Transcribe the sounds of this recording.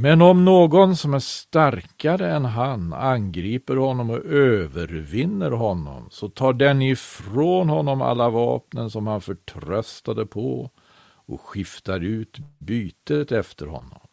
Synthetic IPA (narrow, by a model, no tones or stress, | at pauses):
mɛnɔmnoːɡɔnsɔmæʂt̪aɾkaɾəɛnɦananɡɾiːpəɾhɔnːɔmɔʔøːvəɾvɪnːəɾɦɔnːɔ̰msɔt̪ʰɑːɖɛnɪfɾoːnhɔnːɔma̰lːavɑ̰ːpnənsɔmhanfœʈʰɾœst̪ad̪əpʰɔ̰ | ɔɧɪft̪aɾʉ̟ːt̪byːt̪ət̪ɛft̪ʰəɾhɔ̰nːɔ̰m